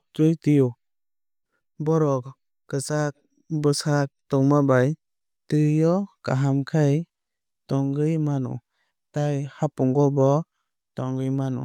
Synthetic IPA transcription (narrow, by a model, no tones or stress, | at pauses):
tujtiju | bɔɾɔk | kɯsak̚ | bɯsak̚tɔŋmabaj | tɯjɔka̰ɦamkʰaj | tɔŋɡɯjmanṵ | tajhapɔŋɡɔbɔ | tɔŋɡɯjmanṵ